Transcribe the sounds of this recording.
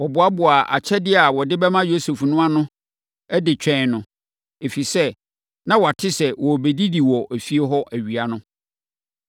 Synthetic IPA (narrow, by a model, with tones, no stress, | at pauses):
wɔ˨bʊ˨a˦bʊ˨a˨ʔa̰˨t͡ɕʰɛ˦dɪ˦a˨wɔ˨dɪ˦bɛ˦mã˦jo˦su˨fnʊ̃˦a˦nʊ̃˦ | ɛ˦dɪ˨t͡ɕᶣʰɛ̃˦˨nʊ̃˨ | e˨fi˨sɛ˦ | nã˦wɔ˨a˨tʰɪ˦sɛ˨wɔ˨be˨di˦di˨wɔ˨ʔæ˨fi˦e˦ɦɔ˦ʔæ˨ɥi˨a˨nʊ̃˦